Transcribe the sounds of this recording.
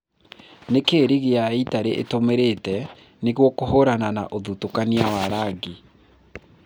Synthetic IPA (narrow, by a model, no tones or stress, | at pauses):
nekeɾiɣeaitaɾeʔḛtomeɾetɛ | neɣwɔkohoɾanana̰ʔoðutokaniawaɾaɡe